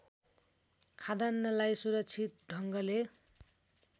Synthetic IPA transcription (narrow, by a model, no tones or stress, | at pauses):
kʰad̪anːʌlajsuɾʌk̚t͡sʰit̪̚ɖʱʌŋɡʌle